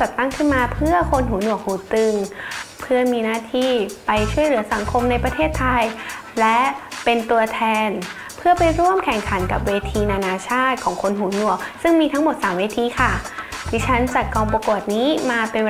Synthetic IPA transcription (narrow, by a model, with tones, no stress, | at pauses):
t͡ɕa˨˩t̪ːa˥˩ŋkʰɯ˥˩nmaː˧pʰɯ˥˩ɐkʰo˧nɦuː˩˦nu˨˩ək̚huː˩˦t̪ɯ˧ŋpʰɯ˥˩ɐmiː˧naː˥˩t̪ʰiː˧˩pa˧jt͡ɕʰu˥˩əjlɯ˩˦ɐsa˨˩˦ŋkʰo˧mna˧jpɾa˧t̪ʰeː˥˩t̪ʰːa˧jlɛ˦˥pe˧nt̪u˧ɐt̪ʰɛː˧n | pʰɯ˥˩ɐpa˧jɾu˥˩əmkʰɛ˨˩ŋkʰa˩˦nka˨˩p̚weː˧t̪ʰiː˧naː˧naː˧t͡ɕʰaː˥˩t̪̚kʰɔː˩˦ŋkʰo˧nɦuː˩˦nu˨˩ək̚sɯ˥˩ŋmiː˧t̪ʰa˦˥ŋmo˨˩t̪̚saː˩˦mweː˧t̪ʰiː˧kʰa˥˩d̪ʰiː˦˥t͡ɕʰa˦˥nt͡ɕa˨˩kɔː˧ŋpɾa˧ko˨˩ət̪̚niː˦˥maː˧pe˧nw